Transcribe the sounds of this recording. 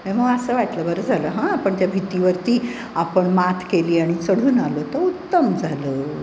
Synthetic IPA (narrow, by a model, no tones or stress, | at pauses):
ɦẽməɡəsəːʋaʈləbəɾəd͡zʱaləːɦãapəɳt̪jabʱit̪iʋəɾt̪iː | apəɳmat̪ʰkeliːaɽ̃it͡səɽ̤uːnalot̪əut̪ːəmd͡zʱaləː